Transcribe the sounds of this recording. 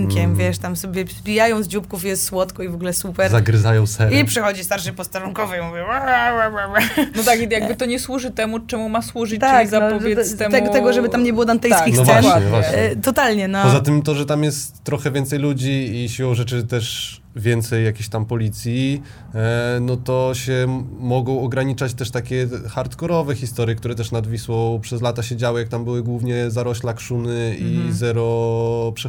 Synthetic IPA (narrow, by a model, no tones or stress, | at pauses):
ŋkʲɛmvʲjɛʂt̪amsɔbʲjɛzbʲijajɔ̃w̃zd͡ʑupkufijɛst̪swɔt̪kɔivɔɡlɛsupɛɾzaɡɾɨzajɔ̃w̃sɛɾipʂɛxɔd͡ʑist̪aɾʂɨpɔst̪aɾuŋkɔvɛimuvʲjɛwaaaaanɔt̪akijaɡ̚bɘt̪ɔɲɛswuʐɨt̪ɛmut͡ʂɛmumaswuʐɨt̪akzaɔvjɛst̪ɛt̪ɛɡɔt̪ɛɡɔʐɛbɘt̪amɲɛbɘwɔd̪ant̪ɛj̪kkinsɔvwɛaɲvwaɕɲɛt̪ɔt̪alɲɛnɔpɔzat̪ɘmt̪ɔʐɛt̪amjɛst̪ːɾɔxɛvʲjɛnt̪sɛjlud͡ʑiːɕiwɔ̃w̃ʐɛt͡ʂɘt̪ɛʂ | vʲjɛnt̪sɛjːakʲeɕt̪ampɔlʲit̪sʲji | nɔt̪ɔɕɛmɔɡɔ̃w̃ɔɡɾaɲit͡ʂat͡ɕt̪ɛʂt̪akʲɛxaɾt̪kɔɾɔvɛxʲist̪ɔɾʲjɛkt̪uɾɛt̪ɛʂnad̪vʲiswɔpʂɛzlat̪aɕed͡ʑawɨjak̚t̪ambɘwɘɡwuvɲɛzaɾɔɕlakʂunɘizɛɾɔpʂɛ